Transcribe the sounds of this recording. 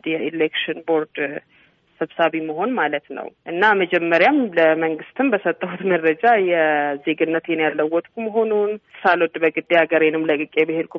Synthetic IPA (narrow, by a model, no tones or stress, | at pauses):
jɛʔilekʃɨnbo̞ɾd̪ | səβsaβiməɦo̞nmalət̪nə̰wʔɨnːaməd͡ʒɛmːəɾjamləməŋɡɨst̪ʰɨnbəsət̪ʼːəhut̪məɾəd͡ʒajɛze̞ɡɨnːət̪jɛnjalːəwːɔt̪ʼkʰʷuməɦo̞nunsalwɔd̪bəɡɨd̪ːeaɡəɾwenɨmləkʼɨkʼebɨheɾkʰʷu